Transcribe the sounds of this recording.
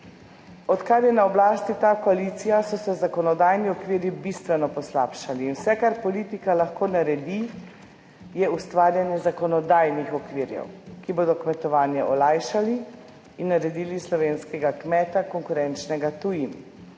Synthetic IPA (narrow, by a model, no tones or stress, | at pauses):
ɔt̪kaɾjɛnaɔblaːst̪it̪aːkɔalit̪sijasɔsɛzakɔnɔd̪aːjniɔkʋiːɾjibist̪ʋɛnɔpɔslaːpʃaliːnwsɛkaɾpɔliːt̪ikalaxkoːnaɾɛd̪i | jɛust̪ʋaːɾjanjɛzakɔnɔd̪aːjnixɔkʋiɾjɛ̰wkiboːd̪ɔkmɛt̪ɔʋaːnjɛʔɔlaːjʃali | inːaɾɛd̪iːlislɔʋeːnskɛɡakmɛːt̪akɔŋkuɾɛnt͡ʃnɛɡat̪ujim